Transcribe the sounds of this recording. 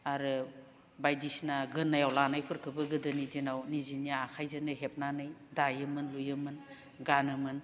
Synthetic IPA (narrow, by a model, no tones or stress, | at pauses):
aɾɯ | bajdisnaɡɯnːajawlanajpʰɯɾkʰɯbɯɡɯdɯnidinawnizinijaːkʰajzɯnɯɦep̚nanɯjdajɯmɯnlujɯmɯn | ɡanɯmɯn